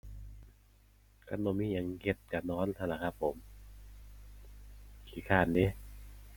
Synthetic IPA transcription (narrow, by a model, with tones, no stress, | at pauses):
ka˧˥nːo˧˨miː˧˥˨ja˨˦ŋke˧˥t̪̚kaː˨˩nɔː˦˥˨nt̪ʰa˧˩la˨˧˩kʰa˦˥pʰːo˨˩˦m | kʰiː˨˦kʰaː˧˩˨nːiː˦˥˨